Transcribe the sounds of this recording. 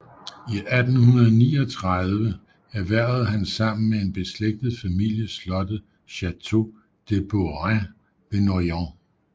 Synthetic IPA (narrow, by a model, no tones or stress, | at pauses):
iʔæd̥n̩hunɐð̞ˠnḭːɒt͡sʰʁaðˠʋə | æɐʋæɐ̰ð̩ˠɦænsɑ̈m̰n̩mee̝nb̥e̝sleɡ̥̚d̥ð̩ˠfæmil̰jəslɒ̽d̥ə | ɕæt͡sʰo̝ | d̥eb̥oʁæ | b̥enojɑ̃